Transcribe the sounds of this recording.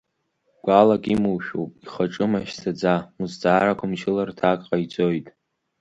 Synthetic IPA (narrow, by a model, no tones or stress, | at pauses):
ɡʷalakʼimuwʃᶣowpʼiχaʈ͡ʂʼɨmaʃsad͡zamuzd͡zʼaːɾakʷʰamt͡ʃʰɪlartʰakʼqʼajd͡zʼojtʼ